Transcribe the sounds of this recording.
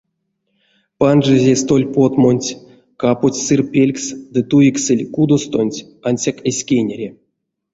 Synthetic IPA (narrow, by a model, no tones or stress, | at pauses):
panʐɨzʲest̪o̞lʲpo̞t̪mo̞nʲtʲ | kaputʲsɨrpʲelʲksd̪ɨt̪ujiksɨlʲkud̪ost̪onʲtʲ | anʲsʲakesʲkʲenʲeɾʲe